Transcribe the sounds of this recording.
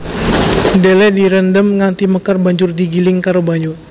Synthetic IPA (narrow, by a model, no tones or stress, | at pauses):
delɛdiɾəndəmŋant̪iməkarbaɲd͡ʒʊrdiɡilɪŋkaɾobaɲu